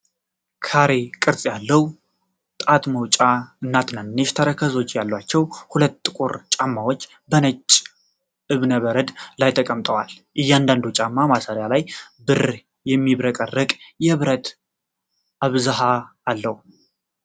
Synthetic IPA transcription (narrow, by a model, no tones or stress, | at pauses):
kʰaɾekʼɨɾsʼjalːəhwu | t̪ʼat̪məwt͡ʃʼaɨnːat̪nanːeʃt̪ʰəɾəkʰəzo̞t͡ʃːjalːwat͡ʃːɛwhulət̪ːʼɨkʼuɾt͡ʃʼamːawot͡ʃː | bənət͡ʃʼː | ʔɨβnəβəɾəd̪lajt̪ʰəkʼəmt̪ʼəwa̰l | ʔɨjːɛand̪and̪ut͡ʃʼamːamasəɾjalaj | bɨɾ | jɛmːiβɾəkʼərːəkʼjɛβɾət̪ | ʔaβzaɦaː | lːəhu